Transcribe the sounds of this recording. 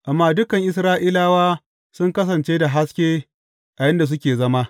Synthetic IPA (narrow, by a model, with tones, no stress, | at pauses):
ʔa˨mːaː˦dʊ˦kɐ˨ŋʔɪ˨sɾaː˦ʔiː˦laː˦waː˦ | sʊ˦ŋkɐ˦s̬ɐ˨nt͡ʃeː˦da˨ɦa˦skʲeː˦ | ʔa˨jɪ˦nda˨s̬ʊ˦kʲeː˨zɐ˦ma˦